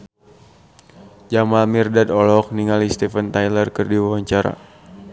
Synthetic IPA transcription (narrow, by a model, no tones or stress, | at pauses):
d͡ʒamalmirdad̪ɔlɔk̚niŋalist̪ɛfənt̪ajlərkərdiwawaɲt͡ʃaɾa̰